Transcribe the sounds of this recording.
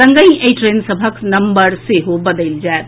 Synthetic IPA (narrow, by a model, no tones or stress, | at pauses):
ɐ̃ŋɡəĩeiʈɾeːnsəbʱəknɐ̃mbəɾseɦobɐd̪əɪld͡ʒaːet̪